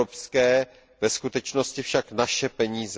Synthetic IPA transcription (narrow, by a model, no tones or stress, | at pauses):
opskɛː | vɛskut̪ɛt͡ʃnoscɪfʃaknaʃɛpɛɲiːz